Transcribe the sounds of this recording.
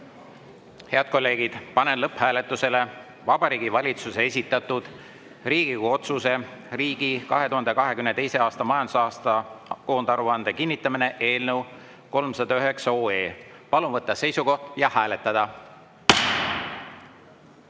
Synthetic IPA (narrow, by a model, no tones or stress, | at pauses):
he̞ɑd̪̥̚ko̞lːe̞ːɡid̪̥pɑnenlɤphæːle̞t̪ːˑuse̞le̞ | vɑb̥ɑɾiːɡivɑlʲit̪suse̞es̬ʲit̪ːˑɑt̪ud̪̥ | riːɡ̥iɡuo̞t̪suse̞riːɡ̥ikɑɦe̞t̪uhɑnd̪e̞kɑɦe̞kymnet̪ejseɑːst̪ɑmɑjɑnd̪u̥sɑːst̪ɑko̞ːnd̪ɑɾuɑnd̪̥ekinʲːit̪ˑːɑmine̞ʔe̞ːlnəw | ko̞lmsɑd̪̥ɑyɦe̞ksɑo̞ːe̞ːpɑlunvɤt̪ˑːɑse̞jsuko̞ht̪jɑhæːle̞t̪ːˑɑd̪̥ɑ